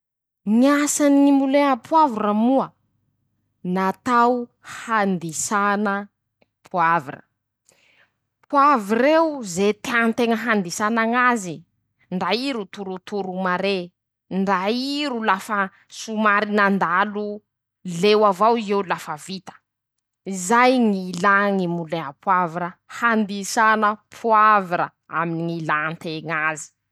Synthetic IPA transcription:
niasaniimbulenəpʰuavuɾəmuə | nat̪aw | hand̪isanə | pʰuavurə̰ | pʰuaviɾewzet̪eant̪eŋəɦand̪isanaŋazi | ɳɖ͡ʐaiɾut̪uɾut̪uɾumaɾe | ɳɖ͡ʐaiɾulafə | sumaɾinand̪alu | lewavawizeulafəvit̪ə̥ | izajŋilaŋimuleapʰwaviɾəhand̪isanəpʰuaviɾə̰ | a̰miniŋilant̪eŋazi̥

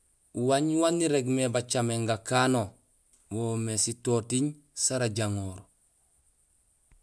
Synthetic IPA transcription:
uwaɲwanːiɾeɡmebat͡ʃameŋɡakano | woːmesitoːtiɲ | saɾaɟaŋoːɾ

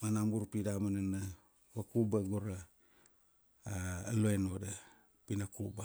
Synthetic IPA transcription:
manamɡuɾpidamanana | wakubaɡoɾa | loenoda | pinakuba

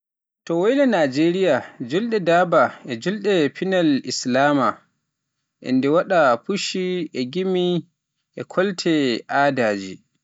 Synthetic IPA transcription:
tɔwolɛnad͡ʒeɾijad͡ʒulɗɛdaːbaʔɛd͡ʒulɗɛpinalʔislaːma | ʔɛ̰ndɛwaɗapuʃiʔɛɡimi | ʔɛkʰɔltʰɛʔaːdaːd͡ʒḭ

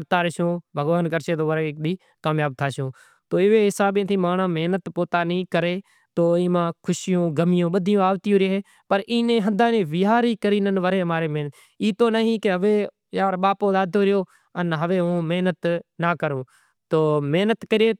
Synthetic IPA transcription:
ɾt̪aːɾɪʃõːbʱəɡʋaːnkəɾʃeːt̪oːʋəɾeːkɗiː | kaːmjaːb̚t̪ʰaːʃõː | t̪oːɪʋeːɦɪsaːɓẽːt̪ʰiːmaːnãːmeɦnət̪poːt̪aːnĩːkəɾeː | t̪oːĩːmãːkʰʊʃjõːɡəmɪjõːɓəd̪ʱɪjõːaːʋt̪ɪjõːɾeɦeː | pəɾʔiːnẽːɦənd̪aːnẽːʋɪɦaːɾiːkəɾiːnənʋəɾeːmaːɾeːmenət̪ | iːt̪oːnəɦĩːkɪɦəʋeː | jaːɾɓaːpõːd̪aːd̪ʱoːɾɪjoː | ənɦəʋeːõːmeɦnət̪naːkəɾõː | t̪oːmeɦnət̪kəɾeː

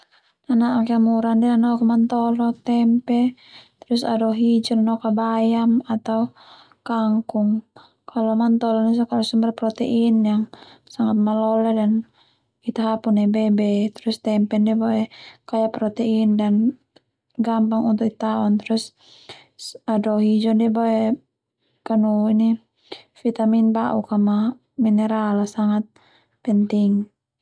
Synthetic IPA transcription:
nanaakamuɾandianɔkumant̪ɔlɔt̪ɛmpɛ | t̪ɾusa̰dɔɦid͡ʒirnɔkabajamat̪au | kaŋkuŋ | kʰalɔmant̪ɔlɔnisakalɔsumbarpɾɔt̪ɛʔinjaŋsaŋat̪̚malɔlɛdan | it̪aɦapunɛbɛbɛt̪ɾust̪ɛmpɛndɛbaʔɛkajapɾɔt̪ɛindan | ɡampaŋunt̪ukit̪aɔnt̪ɛɾus | adɔɦid͡ʒɔndɛbaɛ | kanuini | fit̪aminbaʔukama | minɛɾalasaŋat̪̚ | pɛnt̪iŋ

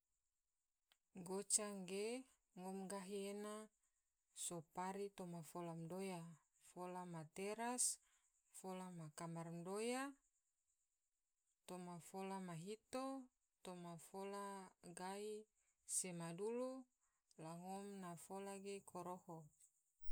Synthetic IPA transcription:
ɡot͡ʃaŋɡe | ŋɔmɡaɦiena | sopaɾit̪omafolamdoja | folamat̪eɾas | folamakamarmdoja | t̪omafolamaɦit̪o | t̪omafolaɡai | semadulu | laŋɔmnafolaɡekʰoɾoho

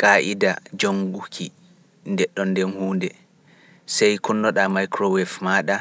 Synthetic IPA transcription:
kaʔidad͡ʒoŋɡukʰi | ndɛɗːɔndɛnhuːndɛ | sɛjkunːɔɗamajkɾɔwɛfmaːɗa

